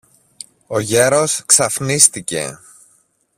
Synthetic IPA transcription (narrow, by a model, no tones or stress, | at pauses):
o̞ʝe̞ɾo̞sksɐfnist̪ice̞̰